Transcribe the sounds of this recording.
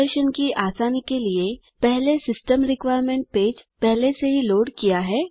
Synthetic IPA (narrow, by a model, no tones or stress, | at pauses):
əɾʃənkiʔaːsaːnikelie | pɛɦlesɪsʈəmɾɪkʋaːjɾmẽɳʈ̚peːd͡ʒpɛɦleseɦiloːɽkijaɦɛː